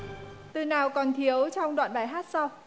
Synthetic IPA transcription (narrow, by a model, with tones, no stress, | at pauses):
t̪ɨ˨˩naː˨˩wkɔ˨˩nt̪ʰi˨˦əwt͡ɕɔ˧wŋ͡mɗwa̰ː˧˨nɓaː˧˩jɦaː˦˥t̚sa˧w